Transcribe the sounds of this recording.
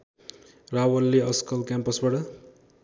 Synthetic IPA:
rawʌlːeʌskʌlkjampʌsbaʈʌ

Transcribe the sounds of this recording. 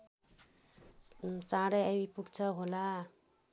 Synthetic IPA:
t͡sãɽʌjawipuɡt͡sʰʌɦola

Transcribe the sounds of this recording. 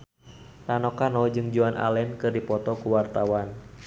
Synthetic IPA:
t̪anɔkanɔd͡ʒɨŋd͡ʒuanʔa̰lɛnkɨrdipɔt̪ɔkuwart̪awan

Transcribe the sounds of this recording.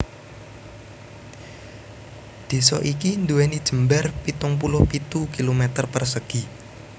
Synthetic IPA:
d̪̥e̤sɔʔikind̪uwɛnid̥ʒ̥ə̤mbarpit̪ʊŋpulʊhpit̪ukilomet̪ərpərsəɡ̥i

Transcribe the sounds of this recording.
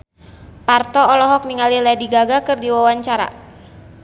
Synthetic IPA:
part̪ɔːlɔɦɔk̚niŋaliladiɡaɡakɨrdiwawaɲt͡ʃaɾa̰

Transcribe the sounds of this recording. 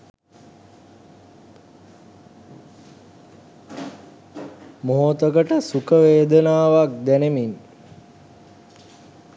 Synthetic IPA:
moɦot̪əkəʈəsukəʋeːd̪ənaːʋak̚d̪ænemin

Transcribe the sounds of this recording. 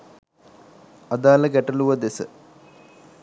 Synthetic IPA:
ɐd̪aːlɐɡɛʈɐluʋɐd̪esə̰

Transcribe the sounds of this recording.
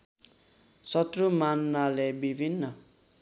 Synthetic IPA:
sʌt̪rumanmalebibʱinːʌ

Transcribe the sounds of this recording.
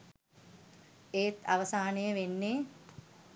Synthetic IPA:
eːt̪a̰ʋəsaːnejəʋenːeː

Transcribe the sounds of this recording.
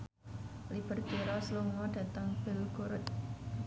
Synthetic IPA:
lib̥ə̤rb̥eɾɔsluŋɔɖ̥ä̤t̪əŋb̥ɪlɡ̥oɾʊt̪̚

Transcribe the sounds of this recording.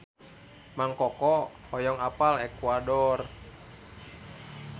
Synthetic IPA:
maŋkɔkɔhɔjɔŋapalɛkwadɔr

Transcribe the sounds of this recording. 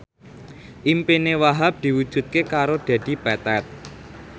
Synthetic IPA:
ʔimpinewaɦap̚d̪̥i̤wud̥ʒ̥ṳt̪̚kekaɾod̪̥a̤d̪̥i̤pɛt̪ɛt̪̚

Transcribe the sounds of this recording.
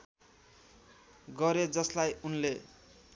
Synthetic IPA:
ɡʌɾed͡zʌslajunle

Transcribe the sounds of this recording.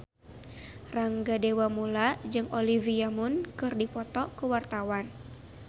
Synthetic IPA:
raŋɡadewamulad͡ʒɨŋɔliviamunkɨrdipɔt̪ɔkuwart̪awan

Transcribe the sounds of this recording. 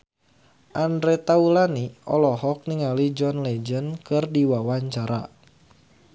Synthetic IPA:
ʔandɾɛt̪aulaniɔ̰lɔɦɔk̚niŋalid͡ʒɔnlɛd͡ʒənkɨrdiwawaɲt͡ʃaɾa̰

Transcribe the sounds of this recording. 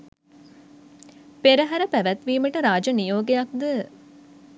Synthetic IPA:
peɾəɦæɾəpæʋæt̪ʋiːməʈəɾaːd͡ʒənijoːɡejak̚d̪ə

